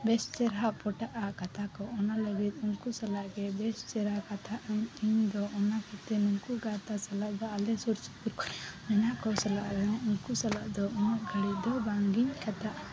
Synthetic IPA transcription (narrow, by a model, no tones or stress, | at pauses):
bɛst͡ʃɛɾɦaʔpɔʈaʔakɐt̪ʰakɔɔnalebit̪uŋkusɐlaʔɡɛbɛst͡ʃɛɾakat̪ʰaʔɲiɲd̪ɔʔɔnakɔt̪ɛnuŋkuɡat̪asɐlaʔd̪ɔɐlɛsuɾt͡ʃi̥kuɾkɔmɛnakɔwsɐlaʔd̪ɔuŋkusɐlaʔd̪ɔɔnaʔɡɐɭid̪ɔbaŋɡiɲkʰɛt̪aʔ